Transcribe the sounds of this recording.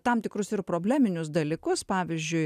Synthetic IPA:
t̪ɐmt̪ʲɪkɾʊsɪɾpɾoːbʲlʲæːmʲɪnʲʊsd̪ɐlʲikʊspɑːʋʲɪzʲd͡ʒʲʊɪ

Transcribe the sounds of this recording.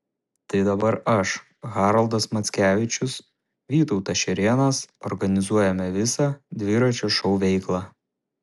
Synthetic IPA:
t̪ɐɪd̪ɐbɐɾɐʃ | ɣɑːɾɐlˠd̪ɐsmɐt̪sʲkʲæːʋʲɪt͡ʃʲʊs | ʋʲiːt̪ɒʊt̪ɐʃʲɛɾʲeːnɐsɔɾɡɐnʲɪzuɔjɛmʲɛʋʲɪsɑd̪ʲʋʲɪɾɐt͡ʃʲoʃɒʊʋʲɛɪklˠɑː

